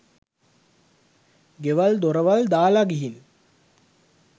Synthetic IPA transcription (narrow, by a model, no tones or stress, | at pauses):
ɡeʋald̪oɾəʋald̪aːlaɡiɦin